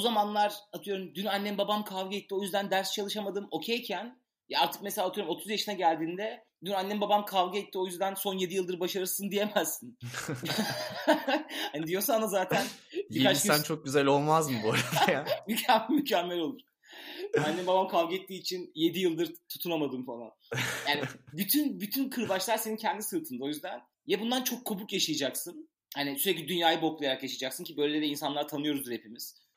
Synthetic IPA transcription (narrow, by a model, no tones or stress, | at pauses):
buzamanlˠaɾat̪ʰɯjo̞ɾumd̪ynanːɛmbabamkʰavɡɯɛt̪ːio̞jyzd̪ænd̪æɾst͡ʃʰalˠɯʃamad̪ɯmo̞cʰejcʰæn | jaaɾt̪ʰɯ̥k̚meselʲat̪ɯjoɾumo̞t̪ʰuzjaʃɯnaɟælʲd̪iːnd̪ɛ | d̪ynanːɛmbabamkʰavɡɯɛt̪ʰːio̞jyzd̪ænso̞nje̞d̪ijɯlˠd̪ɯɾbaʃaɾɯɾsɯnd̪ije̞mæzːin | hand̪ijo̞sand̪azaːt̪ʰæniikat͡ʃʃsænt͡ʃʰo̞k̚ɟyzælʲo̞lˠmazmɯbuaɾad̪mycʰammycʰɛmːɛlʲo̞lˠuɾ̥ | hanːɛmbabamkʰavɡɛt̪ʰːiːt͡ʃʰinje̞d̪ijɯlˠd̪ɯɾt̪ʰu̥t̪ʰunamad̪ɯmfalˠa̰njaːnɪbyt̪ʰynbyt̪ʰynkʰɯɾbat͡ʃlˠaɾse̞nincʰɛnd̪isɯt̪ʰɯnd̪aojyzd̪æn | jɛbund̪ant͡ʃʰo̞kʰːubukjaʃɯjad͡ʒaksɯn | hanisyɾɛc̬lʲid̪ynjaːjɯboklˠajaɾakjaʃad͡ʒaksɯncʰibø̞jlʲed̪ɛinsanlˠaɾt̪ʰanɯjo̞ɾuzɾepʰimiz̥